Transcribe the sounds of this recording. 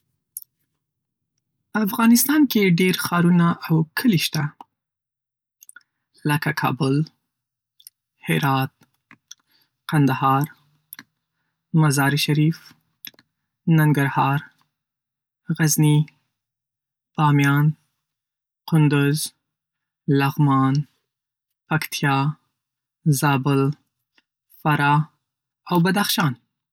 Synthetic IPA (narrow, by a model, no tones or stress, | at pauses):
afɣɑnɪst̪ɑnkeɖeɾxɑɾunaʔawkʰəliʃt̪a | ləkakʰɑ̰bʊl | hɪɾɑt̪̚ | qand̪ahɑɾ | mazɑɾiʃaɾif | naŋɡaɾhɑːɾ | ɣazni | pɑːmjɑn | qʊnd̪ʊz | laɣmɑːn | pakt̪ʰjɑ | zɑːbʊl | faɾɑ | awbad̪axʃɑːn